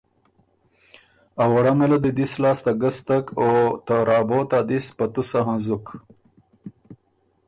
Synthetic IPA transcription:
awaɽamelad̪əd̪islɑːst̪aɡəst̪akot̪aɾɑːboːt̪ad̪ispat̪usaɦanzuk

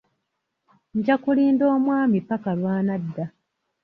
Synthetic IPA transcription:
ɲɟakuliːndo̞ːmwaːmipakalwaːnadːa

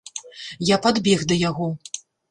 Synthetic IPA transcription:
japad̪bʲɛɣd̪ɐjaɣɔ

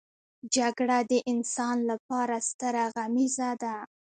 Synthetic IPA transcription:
d͡ʒaɡɽad̪əʔɪnsɑnlapɑɾast̪əɾaɣamizad̪a

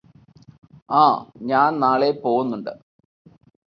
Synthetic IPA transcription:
aːɲaːnnaːɭepo̞ːɣunːuɳɖɨ

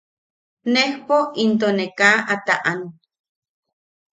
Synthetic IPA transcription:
nehpoint̪̬onekaʔat̪aʔan

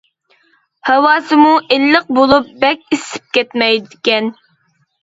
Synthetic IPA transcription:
hɛwɑːsɨmuʔelːəq̚bolˠup̚bɛkʲisɪ̥p̚kʲɛt̪mɛjd̪ɪkʲɛn

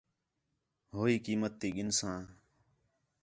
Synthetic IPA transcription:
ɦoːiːkiːmət̪ːiːɠɪnsãː

